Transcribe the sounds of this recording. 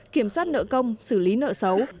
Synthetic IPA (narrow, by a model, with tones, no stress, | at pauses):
ki˧˩əmswaː˦˥t̚nə̰ː˧˨kə˧wŋ͡msɨ˧˩li˨˦nə̰ː˧˨sə˨˦w